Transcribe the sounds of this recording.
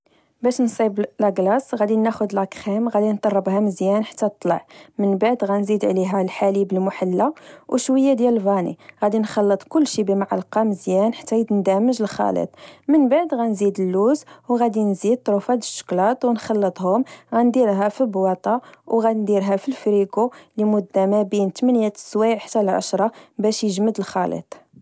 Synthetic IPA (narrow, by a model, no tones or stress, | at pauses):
bæʃnsˤiblæɡlɑsˤɣæd̪inæxʊd̪lʔækxæmɣæd̪int̪ˤɑrˤːəbhæməzjænħḁt̪ːæt̪ˤːlə̰ʕmənbaʕd̪ɣænzid̪ʕliɦælħalibəlmʊħalːawʔʃwəjːad̪jæləlvɑnḭɣæd̪inxɑlːət̪ˤkʊlːʃibəmaʕa̰lqɑməzjænħḁt̪ːæjid̪nd̪æməʒəlxɑ̰lə̰t̪ˤmənbaʕd̪ɣænzid̪əlːuzwɣæd̪inzid̪̚t̪ˤɾufæd̪əʃːə̥klɑt̪ˤwnxɑlːət̪ˤhʊmɣænd̪iɾɦæfibwɑt̪ˤɑwɣæd̪nd̪iɾɦæfilfɾiɡulimʊd̪ːæmæbint̪mænjæt̪swiʕħt̪ːælʕa̰ʃɾˤɑbæʃjəʒməd̪əlxɑlə̰t̪ˤ